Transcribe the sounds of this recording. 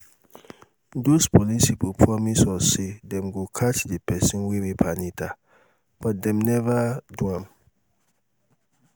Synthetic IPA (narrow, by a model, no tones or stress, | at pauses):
dospʰɔlisipupʰɹɔmisɔsedɛ̃mɡokʰat͡ʃdipɛsĩnwewepʰanitʰa | b̥ɔt̚dɛ̃mnɛvaduãm